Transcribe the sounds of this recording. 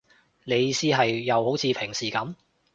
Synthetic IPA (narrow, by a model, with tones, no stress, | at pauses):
le˨˧jiː˨˧siː˥ɦɐ˨jːɐ˨˧who˨˥wt͡sʰiː˨˧pʰɪ˨˩ŋsiː˨˩kɐ˨˥m